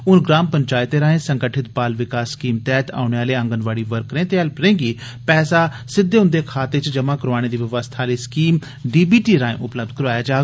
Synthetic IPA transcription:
ʊnɡɾaːmpəɲt͡ʃaːɪt̪eːɾaːẽːsəŋɡəʈʰɪt̪̚bpaːlʋɪkaːsːkiːmt̪ɛːt̪a̰ːʊɳeːaːleːə̃ŋɡənʋaːɽiːʋəɾkːɾẽːt̪eːɛlpɾẽːɡiː | pɛːsaː | sɪd̪ːeːʊ̃nd̪eːkʰaːt̪eːt͡ʃd͡ʒəmãːkəɾaːɽ̃eːd̪iːʋɪʋəst̪ʰaːleːskiːm | ɖiːbiːʈiːɾaːḛ̃ːʔʊpləb̚d̪̚kəɾaːjaːd͡ʒaː

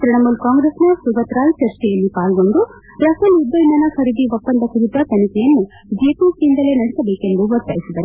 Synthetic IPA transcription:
t̪ɾiɳɐmulkaːŋɡɾesnɐsuʋɐt̪ɾaːlt͡ʃɐɾt͡ʃɛjɐlːipaːlɡo̞ɳɖu | ɾɐsɐlud̪ːɐjinɐːnɐkʰɐɾid̪iʋopːɐnd̪ɐkuɾit̪ɐt̪ɐnikɛjɐnːu | d͡ʒepisind̪ɐle̞nɐɽɛsɐbeːkend̪uʋɐɾt̪a̰ːjisid̪ɐɾe

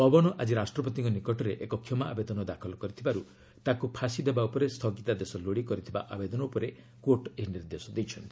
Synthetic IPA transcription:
ɔbɔnɔʔad͡ʒiɾasʈɾɔpɔt̪iŋkɔnikɔʈɔɾeʔekɔkʰjɔmaabed̪ɔnɔd̪akʰɔlɔkɔɾit̪ʰibaɾu | t̪akupʰasid̪ebaupɔɾest̪ʰɔɡit̪ad̪esɔloɽikɔɾit̪ʰiba̰ʔabed̪ɔnɔupɔɾe | koɾʈeɦiniɾd̪esɔd̪ejt͡ʃʰɔnt̪i

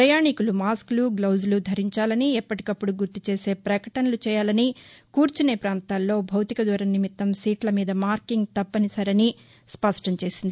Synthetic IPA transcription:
pɾɐjaːɳikulumaːskluɡlɐwzlud̪ʱɐɾiɲt͡ʃaːlɐniɛpːɐʈi̥kɐpːuɽuɡuɾt̪ut͡ʃe̞ːse̞ːpɾɐkɐʈɐnɐlut͡ʃɛːjaːlɐnikuːɾt͡ʃune̞ːpɾaːnt̪aːlːo̞ːbʱɐwt̪ikɐd̪ʋɐɾɐnnimit̪ːɐmsiːʈlɐmiːd̪ɐmaːɾkiŋɡt̪ɐpːɐnisɐɾɐni | spɐʂʈɐmt͡ʃe̞ːsind̪ii

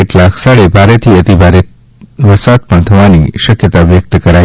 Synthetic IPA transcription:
eʈlakʰsaɭebʱaɾet̪ʰiət̪ibʱaɾe | ʋəsat̪̚pəɳt̪ʰəʋaniʃəkjət̪aʋjək̚t̪kəɾa

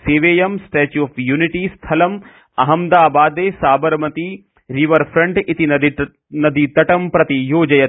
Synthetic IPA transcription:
seːʋeːjɐmsʈeːt͡ʃuɔfjuːniʈist̪ʰɐlɐm | ɐɦɐmd̪aːbaːd̪eːsaːbɐɾmɐt̪i | ɾiʋɐɾfɾɐ̃ɳʈit̪in | nɐd̪it̪ɐʈɐmpɾɐt̪ijoːd͡ʒɐjɐ

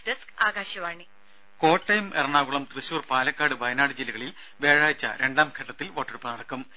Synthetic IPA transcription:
dɐskaːɡaːɕɐʋaːɳi | ko̞ːʈːɐjɐmerɐɳaːɣuɭɐmt̪rɨɕuːrpaːlɐkːaːɽɨbɐjɐnaːɽɨd͡ʑilːɐɣɐɭil | ʋe̞ːɻaːjit͡ɕːɐ̰ɾe̞ɳɖaːmkʰeʈːɐt̪ːilʋo̞ːʈːɐɽupːɨnɐɽɐkːum

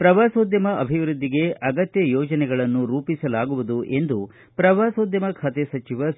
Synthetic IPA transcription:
pɾɐʋaːsoːd̪jɐmɐʔɐbʱiʋɾud̪ːiɡe̞ɐɡɐt̪jɐjɔːd͡ʒɐnɛɡɐɭɐnːuɾuːpisɐlaːɡuʋud̪uʔe̞nd̪u | pɾɐʋaːsoːd̪jɐmɐkʰɐt̪esɐt͡ʃiʋɐ

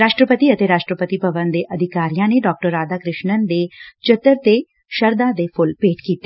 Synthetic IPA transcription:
ɾaːʃʈɾəpət̪iɐt̪eɾaːʃʈɾəpət̪ipɐbənd̪eʔɐd̪ʱɪkaːɾijãneɖɔːk̚ʈəɾːaːd̪akɾɪʃnənd̪et͡ʃɐt̪ːəɾt̪e | ʃɐɾd̪ãd̪epʰʊlpeːʈkiːt̪e

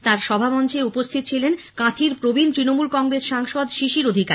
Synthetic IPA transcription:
t̪aɾʃɔbʱamɔnt͡ɕeupost̪ʰit̪ot͡ɕʰilenkãt̪ʰiɾpɾobint̪ɾinomulkɔŋɡɾesʃaŋʃod̪ʃiʃiɾod̪ʱikaɾ

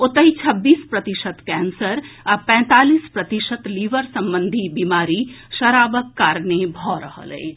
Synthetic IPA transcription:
ʊt̪əit͡ʃʰɐbːiːspɾɐt̪iʃət̪kɛːnsəɾapɛ̃ːt̪aːliːspɾɐt̪iʃət̪liːʋəɾsɐ̃mbə̃nd̪ʱibiːmaːɾi | ʃɐɾaːbəkːaːɾnebʱɔːɾəɦə̰lɦḛ

